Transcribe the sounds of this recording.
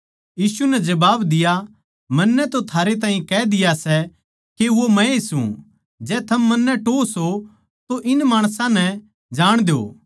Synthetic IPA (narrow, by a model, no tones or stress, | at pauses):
jiːsunɛd͡ʒɐbaːbd̪ɪja | mɐnːɛt̪ot̪ʰaːɾet̪̬ãːĩkɛd̪ɪjasɛ | keʋomɛ̃esṵ̃ | d͡ʒɛːt̪ʰɐmːɐnːɛʈoːso | t̪oʔɪnmaːɽ̃sãnɛ | d͡ʒaːɽ̃d̪ejo̰ː